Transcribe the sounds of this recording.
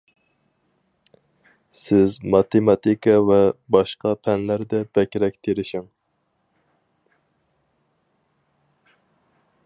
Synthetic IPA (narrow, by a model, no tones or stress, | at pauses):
sɪzmɑt̪emɑt̪ikʰɑvɛbɑʃqɑpʰɛnlæɾd̪ɛb̥ɛkʲɾɛk̚ʲt̪ʰeɾɪʃɪŋ